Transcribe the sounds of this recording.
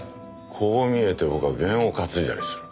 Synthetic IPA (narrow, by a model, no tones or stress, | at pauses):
kʰoːmʲie̞t̪e̞bokɯaɡẽ̞ɰ̃o̞kat͡sɨid̪a̰ɾʲisɨ̥